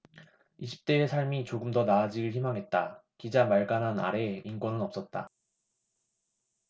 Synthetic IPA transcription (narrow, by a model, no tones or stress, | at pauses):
iɕʰi̥p̚t͈e̞ːsʰaɭmit͡ɕoɡɯmdʌnaːd͡ʑiɡɯɭçimaŋɦe̞t̚t͈akid͡ʑamaɭɡanɦana̰ɾe̞inkwʌnɯnʌp̚s͈ʌt̚t͈a̰